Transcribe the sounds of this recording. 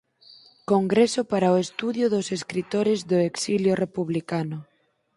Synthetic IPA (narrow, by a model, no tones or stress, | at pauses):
koŋɡɾesʊpaɾaoest̪uðjʊðʊseskɾit̪oɾɪzðʊeksiljʊrepuβlikanʊ